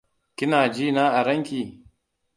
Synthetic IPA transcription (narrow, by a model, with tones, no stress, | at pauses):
kʲɪ˦naː˨d͡ʒiː˦naː˦ʔa˨ɾɐ˦ŋkʲiː˨